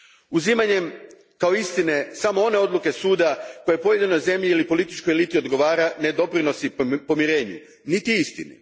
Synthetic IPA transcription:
uzimaɲe̞m | kao̞ist̪ine̞samoo̞ne̞o̞d̪lˠuke̞suːd̪ako̞je̞po̞je̞d̪ino̞jze̞mʎiilipo̞lit̪it͡ʃkojelit̪io̞d̪ɡo̞ʋaːɾane̞d̪o̞pɾino̞sipo̞miɾe̞ːɲṵ | nit̪iist̪inḭ

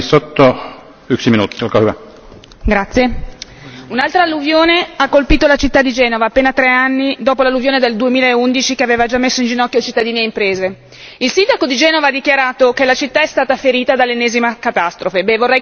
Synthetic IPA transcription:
sot̪ːo | yksiminuːt̪ːolkahyva | ɡɾat̪sːje | unalt̪ɾalːuvjoːneakːolpiːt̪olat͡ʃit̪ːad̪ːid͡ʒɛːnovaːpːeːnat̪ɾɛanːid̪oːpolalːuvjoːned̪eld̪uemiːlaeund̪it͡ʃikeaveːvad͡ʒamːesːoind͡ʒinɔkːjot͡ʃit̪ːad̪iːneimpɾeːze | ilsind̪akod̪id͡ʒɛːnovaad̪ːikjaɾaːt̪okelat͡ʃit̪ːaɛst̪aːt̪afeɾiːt̪ad̪alːenːɛːzimakat̪ast̪ɾofebɛvorːɛj

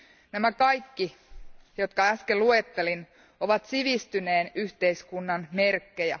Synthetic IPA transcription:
næmækɑjkːijo̞t̪kɑæskelluet̪ːe̞lin | oʋɑt̪siʋist̪yne̞ːnyht̪e̞jskunːɑnme̞rkːejæ̰

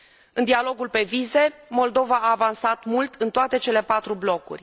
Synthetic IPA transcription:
ɨnd̪ialo̞ɡulpe̞vize̞mo̞ld̪o̞vaaːvansat̪mult̪ʰɨnt̪oat̪e̞t͡ʃe̞le̞pat̪ɾublo̞kṵrʲ

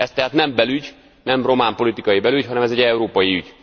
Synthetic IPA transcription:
ɛst̪ɛɦaːt̪nɛmbɛlyɟ | nɛmro̞maːmpo̞lit̪ikɒjibɛlyɟhɒnɛmɛzɛɟɛuɾoːpɒjiyɟ

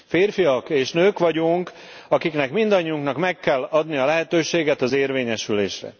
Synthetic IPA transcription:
feːrfijɒkeːʃnøːkʋɒɟuŋk | ɒkiknɛkmind̪ɒɲːiuŋknɒkmɛkːɛlːɒd̪nijɒlɛɦɛt̪øːʃeːɡɛt̪ɒzeːrveːɲɛʃylḛːʃrɛ̰

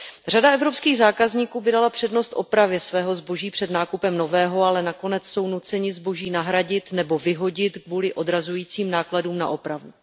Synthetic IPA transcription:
r̝adaɛvɾo̞pskiːɣzaːkazɲiːkuːbɪdalapr̥ɛdno̞st̪ʔo̞̰pɾavjɛsvɛːɦo̞zbo̞ʒiːpr̝̥ɛdnaːkupɛmno̞vɛːɦo̞alɛnako̞nɛt͡sso̞wnut͡sɛɲɪzbo̞ʒiːnaɦɾaɟɪt̪nɛbo̞vɪɦo̞ɟɪt̪kvuːlɪʔo̞dɾazujiːt͡siːmnaːkladuːmna̰ʔo̞pɾavu

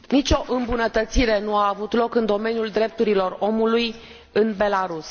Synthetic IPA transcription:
nit͡ʃo̞ʔɨmbunət̪ət̪siɾe̞nuaːvut̪lo̞kɨnd̪o̞me̞njuld̪ɾe̞p̚t̪uɾilo̞ro̞muluj | ɨnbe̞laɾus

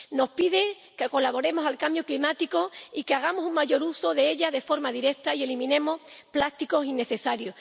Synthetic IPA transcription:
no̞hpiðe | ke̞ko̞laβo̞ɾe̞mo̞salkambjoklimat̪iko̞ikeaɣ̞amosuŋmaʝo̞ɾuso̞ðe̞e̞ʎaðe̞fo̞ɾmaðiɾe̞k̚t̪aie̞limĩnẽ̞mo̞hplast̪iko̞sinːe̞θe̞saɾjoh

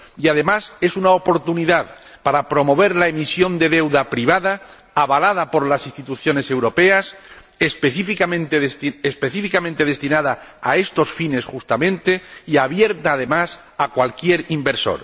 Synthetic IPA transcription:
iaðe̞mase̞sunaopo̞ɾt̪uniðað | paɾapɾo̞mo̞β̞e̞ɾlae̞misjo̞nd̪e̞ðe̞wðapɾiβaða | aβalað̞apo̞ɾlasist̪it̪uθjo̞ne̞se̞wɾo̞pe̞as | espeθifikamẽnt̪eðst̪espe̞θifikamẽnt̪e̞ð̞e̞st̪inaðaːe̞st̪o̞sfine̞sxust̪amẽ̞nt̪e̞iaβje̞ɾt̪aːð̞e̞mas | akwalkje̞ɾimbe̞ɾso̞̰ɾ

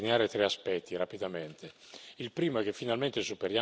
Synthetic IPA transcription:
neaːɾet̪ɾeaspɛt̪ʰːiɾapid̪ament̪ʰeilpɾiːmoɛk̟efːinalment̪esupeɾja

